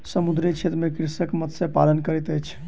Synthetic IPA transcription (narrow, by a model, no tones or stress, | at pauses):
səmud̪ɾet͡ʃʰet̪ɾəmekɾisəkmət̪sẽpalənkəɾɛt̪əjt͡ʃʰ